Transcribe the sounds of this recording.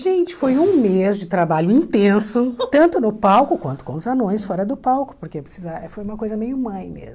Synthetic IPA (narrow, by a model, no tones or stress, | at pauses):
ʒẽnt͡ʃɪ̥fojũmezd͡ʒɪt̪ɾabaʎʊĩt̪ẽsʊt̪ɐ̃nt̪ʊnʊpawkʊkwɐ̃nt̪ʊ̥kõʊzanõj̃sfɔɾɐd̪ʊpawkʊ̥poɾkewpɾɪsizaɛfojũmɐkojzɐmejʊmãj̃mḛzm